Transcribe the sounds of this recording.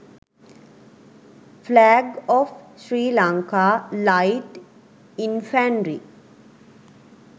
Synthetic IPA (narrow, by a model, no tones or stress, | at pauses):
flæːɡɔːfʃɾiːlaŋkaːlaɪʈ | infæɳɾi